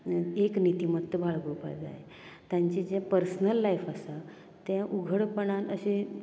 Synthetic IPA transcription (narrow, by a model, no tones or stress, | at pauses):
eknit̪imət̪ːəbʱaɭɡupa̰jd͡za̰je | t̪jãɲt͡ɕid͡ʑepəɾsnəlːajfəsa | t̪jãʔuɡʱəɽpəɳanəɕe